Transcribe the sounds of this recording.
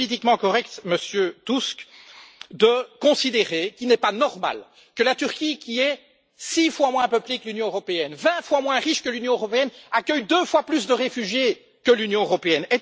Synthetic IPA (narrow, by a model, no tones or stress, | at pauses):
it̪̬ikmɑ̃kɔʁɛkt̪məsjøt̪usk | d̪əkɔ̃sid̪eʁekʲilnɛpanɔʁma̰l | kəlat̪yʁkʲikʲiɛ | sifwamwɛ̃pəpliklynjɔ̃øʁɔpeɛnvɛ̃fwamwɛ̃ʁiʃkəlynjɔ̃øʁɔpeɛnakʲœjd̪øfwaplys̬d̪əʁefyʒje | kəlynjɔ̃øʁɔpeɛnɛ